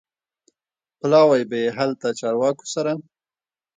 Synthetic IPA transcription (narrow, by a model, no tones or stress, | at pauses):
plɑwajbajeɦalt̪at͡ʃɑɾwɑko̥saɾa